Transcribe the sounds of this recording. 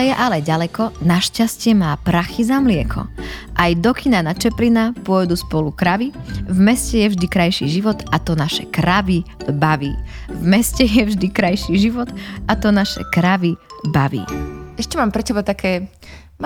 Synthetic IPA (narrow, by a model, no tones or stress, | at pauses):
ɛjɛʔalɛɟalɛkɔnaʃcascɪɛmaːpɾaxizamlɪɛkʰɔ̰ʔajd̪ɔkʰinanat͡ʃɛplinapʊɔjd̪uspɔlukɾaʋivmɛscɛjɛvʒd̪ikɾajʃḭːʒiʋɔt̪at̪ɔnaʃɛkɾaʋibaʋḭːvmɛscɛjɛvʒd̪ikɾajʃiːʒiʋɔt̪at̪ɔnaʃɛ̰kɾaʋibaʋḭːɛʃcɛmaːmpɾɛcɛbat̪akʰɛː